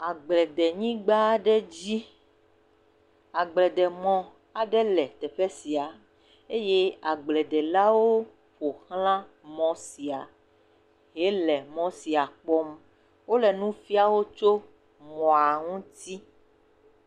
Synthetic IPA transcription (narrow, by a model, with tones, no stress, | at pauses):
a˨ɡ͡blɛ˨d̪ɛ˨ɲĩ˦ɡ͡ba˦ɖɛ˦d͡ʑi˦ | a˨ɡ͡blɛ˨d̪ɛ˨mɔ̃˨ | a˨ɖɛ˦lɛ˨t̪ɛ˨ɸɛ˦si˨a˨ | e˦je˦a˨ɡ͡blɛ˨d̪ɛ˨la˦woo˦ | ɸo˨xlã˦ | mɔ̃˦si˨a˨ | ɦe˦lɛ˨mɔ̃˦si˨a˨k͡pɔ˦m | wo˦lɛ˨nũ˦fi˦a˦˨wo˦t͡ʃo˦ | mɔ̃˨a˨ŋũ˦t̪i˦